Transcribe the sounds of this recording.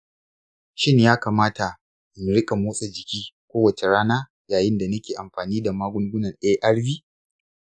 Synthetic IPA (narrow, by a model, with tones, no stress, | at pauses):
ʃɪ˦njaː˦kaː˨maː˦ta˨ | ʔɪ˨m˨ɾɪ˦kʼa˨moː˦sʼa˦d͡ʒɪ˨kʲiː˦kʷoː˦wɐ˨t͡ʃe˨ɽaː˦naː˦ | jaː˨jɪ˦nda˨nɐ˦kʲeː˨ʔa˨mɸaː˨niː˦da˨maː˦ɡʷʊ˦ŋɡʷʊ˦nɐ˨nɗeː˦ʔɐ˦ɽbiː˦